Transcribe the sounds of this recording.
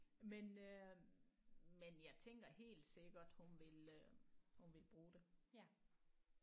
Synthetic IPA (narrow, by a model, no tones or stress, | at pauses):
menø | menjɑ̈ɪt͡sʰeŋɡ̥ɐɦe̝̰ːld̥se̝ɡ̥ɐd̥hunʋe̝l | hunʋe̝lb̥ʁuːd̥e̝